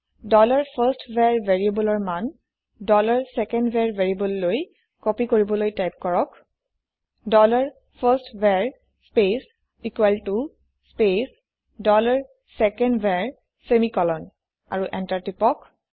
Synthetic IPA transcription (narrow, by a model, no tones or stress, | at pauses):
dɔlaɹpʰastveɹveɹiebɔlɔɹman | dɔlaɹsɛkɛndbʱɛɹvʱeɹibɔlːoj | kɔpikoɹibɔlojtajp̚kɔɹɔk | dɔlaɹ | pʰastvɛɹ | spes | ikwɛltu | spes | dɔlaɹ | sɛkɛndbʱɛɹ | semikɔlɔn | a̰ɹuʔɛntaɹtipɔk